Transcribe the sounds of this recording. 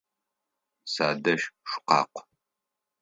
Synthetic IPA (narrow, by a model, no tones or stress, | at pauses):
saːdɐʃʃʷʊ̥qɑ̰ːqʷ